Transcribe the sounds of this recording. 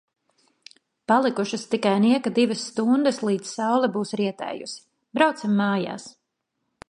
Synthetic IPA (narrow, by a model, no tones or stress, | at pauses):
palˠikuʃɐst̪ikajniɛkad̪ivɐsːt̪und̪ɨslˠiːd̪zsawlˠɛbuːsɾiɛt̪ɛ̰ːjṵsi̥ | bɾawt̪simːaːja̰ːs